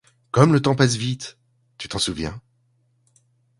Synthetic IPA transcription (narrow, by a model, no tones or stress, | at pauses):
kɔmlət̪ɑ̃pas̬vit̪ | t̪y̥t̪ɑ̃suvjɛ̰̃